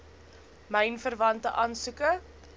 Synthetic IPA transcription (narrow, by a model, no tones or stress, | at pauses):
mɛjnfərvɐntəʔɑːnsukə